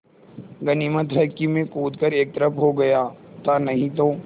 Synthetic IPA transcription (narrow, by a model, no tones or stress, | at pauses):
ɡɐnimət̪ɦɐɾkimẽkuːd̪kəɾeːk̚t̪əɾəpɦoɡɐjaːt̪anɐɦĩt̪oː